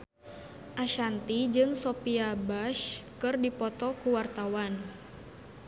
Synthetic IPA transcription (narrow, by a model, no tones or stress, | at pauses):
ʔaʃant̪id͡ʒɨŋsopiabaʃkɨrdipɔt̪ɔkuwart̪awan